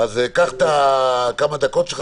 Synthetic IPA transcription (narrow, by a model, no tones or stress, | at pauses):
azekaχt̪akamad̪ako̞t̪ʃ